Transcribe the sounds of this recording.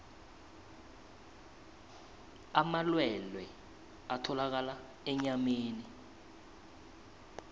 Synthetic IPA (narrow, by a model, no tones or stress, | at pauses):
amalwɛlwɛ | atʰɔlak̬ala | ɛɲameːni